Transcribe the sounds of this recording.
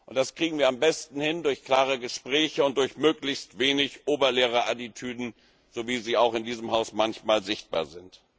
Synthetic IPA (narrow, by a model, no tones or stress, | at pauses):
ʔʊntd̥askʁ̥iːɡŋ̩viːɐambɛstn̩hɪndʊɐçkl̥aːʁəɡəʃpʁ̥ɛːçəʊnt̚d̥ʊɐçmøːklɪçstv̥eːnɪçʔoːbɐleːʁ̞əʔatitʰyːdn̩ | z̥oviːziːaʊxɪndiːzəmɦaʊsmançmaːlzɪçt̚b̥a̰ːɐzɪnt